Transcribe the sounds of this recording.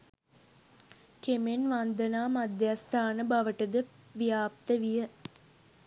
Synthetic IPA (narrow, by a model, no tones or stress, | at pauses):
kemenʋand̪ənaːmad̪jast̪ʰaːnəbaʋəʈəd̪əʋijaːp̚t̪əʋijə